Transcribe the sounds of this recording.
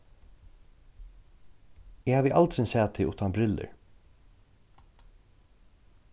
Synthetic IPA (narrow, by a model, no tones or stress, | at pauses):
ɪhaːvɪʔalt̪sɪnsɛːt̪ʰɪṵːt̪anbɾɪlə̰ɹ